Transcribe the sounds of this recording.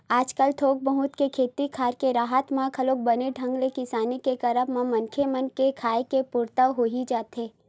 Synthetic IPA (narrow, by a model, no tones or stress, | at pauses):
aːd͡ʒkəlt̪ʰoːk̚bəɦʊt̪kekʰeːt̪ikʰaːɾkeɾaːɦət̪mãkʰɐloːk̚bɐneɖʱɐ̃ŋɡlekɪsaːnikekɐɾəbmãmɐnkʰemənkekʰaːekepʊɾt̪əɦoːɦid͡ʒaːt̪ɦeː